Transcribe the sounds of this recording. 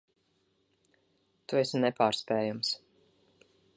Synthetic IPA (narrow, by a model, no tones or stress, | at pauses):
t̪uɛsnɛpaːɾspɛːjams